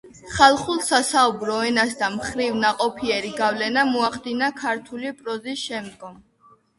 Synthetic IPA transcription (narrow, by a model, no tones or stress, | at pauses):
χalˠχulˠsasaubɾɔɛnasd̪amχɾivnaqʼɔpʰiɛɾiɡavlɛnamɔaχd̪inakʰaɾt̪ʰulipʼɾɔzisʃɛmd̪ɡɔm